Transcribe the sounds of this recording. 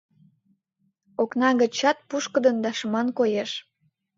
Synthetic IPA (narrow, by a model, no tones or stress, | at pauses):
oknɑɣə̆t͡ɕɑt̪̚puʃkə̆d̪ənd̪ɑʃəmɑnkojeʃ